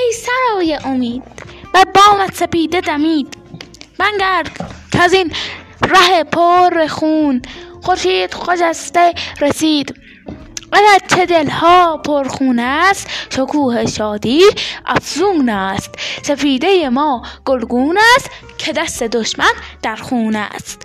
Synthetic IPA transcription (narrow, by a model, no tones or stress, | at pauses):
ejsæɾɒːjeʔomiːd̪̥̚bæd̪̚bɒːmæt̪sepiːd̪ed̪æmiːd̪̥ | b̥æŋɡæɾkʰæzin | ɾæhepʰoɾexuːnxoɾʃiːd̪xod͡ʒæst̪eɾesiːd̪ | ɢæɡæɾt͡ʃʰed̪elhɒːpʰoɾxuːnæst̪ʃokʰuːheʃɒːd̪iːʔæ̰fzuːnæst̪sefiːd̪ejemɒːɡ̥olɡuːnæst̪ | kʰed̪æst̪ed̪oʃmænd̪̥æɾxuːnæ̰st̪